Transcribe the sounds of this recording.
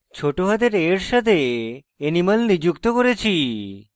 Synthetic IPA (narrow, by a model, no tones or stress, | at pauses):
t͡ɕʰoʈoɦad̪eɾeɾʃat̪ʰe | enimalnid͡ʑukt̪okoɾet͡ɕʰi